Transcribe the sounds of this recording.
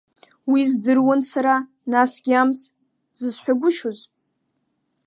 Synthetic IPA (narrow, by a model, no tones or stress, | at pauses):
wizdɨrwansaɾa | nasɡʲamz | z̥ɨzħʷᶣaɡʷʊʃozʼ